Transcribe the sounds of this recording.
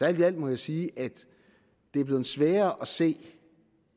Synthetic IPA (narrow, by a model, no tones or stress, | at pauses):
sæɐ̰ld̥æl̰d̥mɒ̽jäɪsiːʔæd̥ | d̥e̝æɐb̥le̝ð̩ˠsʋɛːɐʔɒ̽se̝̰ː